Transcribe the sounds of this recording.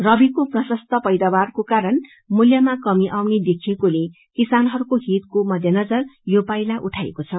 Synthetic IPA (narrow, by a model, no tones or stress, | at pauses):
rʌbikoprʌsʌst̪ʰʌpʌjd̪abarkokaɾʌn | muljʌmakʌmiʔawned̪ekʰiekole | kisanɦʌɾukoɦit̪komʌd̪ʱjʌnʌd͡zʌrjopajlaʔuʈʰaḛkot͡sʰʌ